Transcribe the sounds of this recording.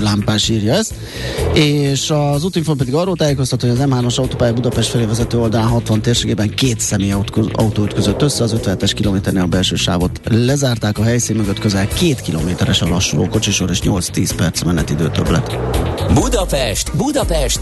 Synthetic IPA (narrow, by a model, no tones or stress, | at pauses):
laːmpaːʃiːrjɒɛst̪ | eːʃɒzut̪iɱfompɛd̪iɡɒrːoːlt̪aːjeːko̞st̪ɒt̪ːhojɒzɛmɦaːno̞ʃɒut̪oːpaːjɒbud̪ɒpɛʃt̪fɛleːvɛzɛt̪øːo̞ld̪ɒlaːnɦɒt̪ʋɒnt̪eːrʃeːɡeːbɛŋkeːt̪sɛmeːjɒ̰ut̪oːyt̪køzøt̪ːøsːɛɒzøt̪vɛnɦɛt̪ɛʃkiloːmeːt̪ɛrneːlɒbɛlʃøːʃa̰ːvo̞t̪lɛzaːrt̪aːkɒɦɛjsiːnmøɡøt̪køzɛlkeːt̪kilo̰meːt̪ɛɾɛʃɒlɒʃːulʔo̰ːko̞t͡ʃiʃoɾeːʃɲo̞lt̪st̪iːspɛrt̪smɛnːɛt̪ːid̪øːt̪ø̰blɛ̰t̪bud̪ɒpɛʃt̪bud̪ɒpɛʃt̪